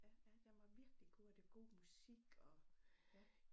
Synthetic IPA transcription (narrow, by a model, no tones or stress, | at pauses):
jæjæd̥eʋɑʋiɐɡ̥liɡ̥o̰ːd̥eɡ̥o̝̰ːmusiɡ̥ɒ̽jæ